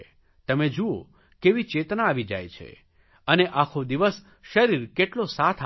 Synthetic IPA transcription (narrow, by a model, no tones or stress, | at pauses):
t̪əmed͡ʒuo | keʋit͡ʃet̪naːʋid͡ʒa̰jt͡ʃʰḛ | əneʔakʰod̪iʋəs | ʃəɾiɾkeʈlosat̪ʰ